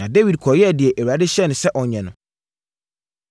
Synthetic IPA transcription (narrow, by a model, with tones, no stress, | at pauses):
ã˨de˦wi˨d̚kʰɔ˨jɛ˦˨dɪ˨ɛ˨ʔe˨wa˨dɪ˦ɕɛ˦nʊ̃˨sɛ˦ʔɔ˨ɲɛ̃˨nʊ̰̃˨